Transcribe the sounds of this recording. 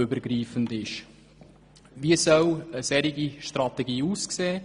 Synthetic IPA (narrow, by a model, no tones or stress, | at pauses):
ʏbəɾɡɾiːfəndɪʃ | ʋiəsœwəsɛɾiɡiʃtɾɑt̪ɛɡiːuːskseː